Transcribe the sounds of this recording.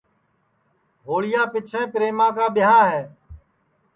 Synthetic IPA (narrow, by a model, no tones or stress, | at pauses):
ɦoːɭɪjãːpɪt͡ʃʰẽːpɾeːmãːkaːɓɪɦãːɦɛː